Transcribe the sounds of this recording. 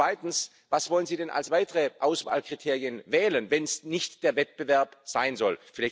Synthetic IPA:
v̥aɪtn̩s | vasvɔlənziːdɛnʔa̰lsv̥aɪtəʁəʔaʊsv̥a̰ːlkʁ̥itʰeːʁjənvɛːlənvɛnsnɪçtd̥eːɐvɛt̚b̥əvɛɐpz̥aɪnzɔlfɪlaɪ

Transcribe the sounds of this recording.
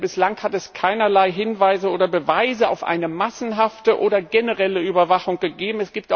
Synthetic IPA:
bɪslaŋhatɛskʰaɪnɐlaɪɦɪnvaɪzəoːdɐbəvaɪzəa̰ʊfʔa̰ɪnəmasn̩ɦaftəʔoːdɐɡenəʁɛləyːbɐvaχʊŋɡ̥əɡeːbm̩ɛsɡ̥iːp̚ta

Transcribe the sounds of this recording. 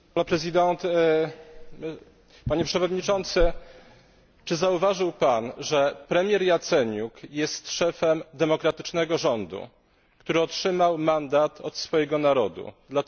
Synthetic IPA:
ɔpɾɛzʲid̪ɛnt̪ | m | paɲɛpʂɛvɔd̪ɲit͡ʂɔnt̪sɘ | t͡ʂɘzauvaʐɘwpanʐɛpɾɛmʲjɛɾjat̪sɛɲukjɛst̪ʂɛfɛmd̪ɛmɔkɾat̪ɘt͡ʂnɛɡɔʐɔnd̪ṵ | kt̪uɾɘɔtʂɘmawmand̪at̪ʰɔt̪sfɔjɛɡɔnaɾɔd̪ṵd̪la

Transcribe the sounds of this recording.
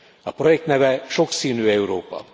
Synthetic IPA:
ɒpro̞jɛk̚t̪nɛvɛʃo̞ksiːnyːɛuɾoːpɒ̰

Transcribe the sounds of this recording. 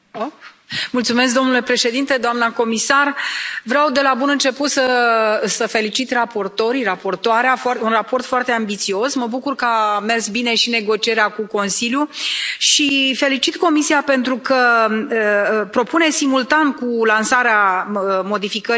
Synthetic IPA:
o | mult̪sume̞s̬k̚d̪o̞mnule̞pɾe̞ʃe̞d̪int̪e̞d̪oamnəko̞misarvɾeawd̪e̞labunɨnt͡ʃe̞put̪səsəfe̞lit͡ʃit̪rapo̞rt̪o̞ɾirapo̞rt̪oaɾeafoaunrapo̞rt̪foart̪e̞ambit̪sio̞sməbukurkəame̞rsbine̞ʃine̞ɡo̞t͡ʃie̞ɾeakuko̞nsiljuʃife̞lit͡ʃit̪ko̞misiape̞nt̪ɾukə | pɾo̞pune̞simult̪ankulansaɾeamo̞d̪ifikə

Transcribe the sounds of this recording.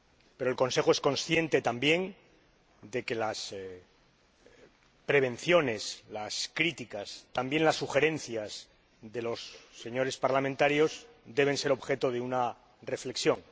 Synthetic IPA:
pe̞ɾoe̞lkõ̞nse̞xoe̞sko̞nsθje̞nt̪e̞t̪ambje̞n | d̪e̞ke̞las | pɾe̞β̞ẽ̞nθjo̞ne̞slaskɾit̪ikast̪ambje̞nlasːuxe̞ɾe̞n̟θjaz | ðe̞lo̞sːe̞ɲo̞ɾe̞spaɾlamẽnt̪aɾjo̞z | d̪e̞β̞e̞nse̞ɾoβxe̞t̪oðeuna | re̞fle̞ksjõ̞ŋ

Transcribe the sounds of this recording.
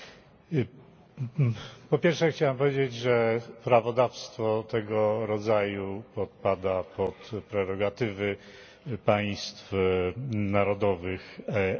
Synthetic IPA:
pɔpʲjɛɾfʂɛxt͡ɕawɛmpɔvʲjed͡ʑed͡ʑʐɛpɾavɔd̪afst̪fɔt̪ɛɡɔɾɔd̪zajupɔt̪̚pad̪apɔt̪pɾɛɾɔɡat̪ɘvɘ | paj̃st̪f | naɾɔd̪ɔvɘx

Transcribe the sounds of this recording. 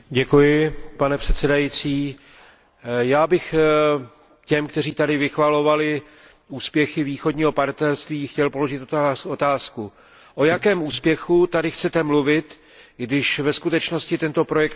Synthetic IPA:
ɟɛkujɪpanɛpr̥ɛt̪sɛdajit͡siː | jaːbɪx | cɛmkt̪ɛr̝iːt̪adɪvɪxvalo̞valɪ | uːspjɛxɪviːxo̞dɲiːɦo̞paɾt̪nɛɾst̪viːxcɛlpo̞lo̞ʒɪt̪ot̪aːsku | ʔo̞jakɛːmʔuːspjɛxut̪adɪxt͡sɛt̪ɛmluvɪt̪ | ɡdɪʃvɛskut̪ɛt͡ʃno̞scɪt̪ɛnt̪o̞pɾo̞jɛk̚t̪

